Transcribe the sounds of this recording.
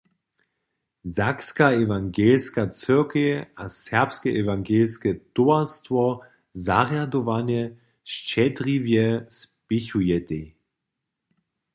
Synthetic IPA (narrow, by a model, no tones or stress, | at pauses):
zakskaɛvaŋɡɛlskat͡sʏkeasɛɐpskɛʔɛvaŋɡɛlskɛtoastvɔ | zaʁjadɔvanjɛ | ʃt͡ʃɛdʁivjɛspɪçujɛtɛ